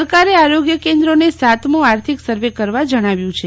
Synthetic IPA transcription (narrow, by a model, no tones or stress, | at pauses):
əɾkaɾeaɾoɡjəkend̪ɾonesat̪mũaɾt̪ʰiksəɾʋekəɾʋad͡ʒəɽ̃aʋjũt͡ʃʰe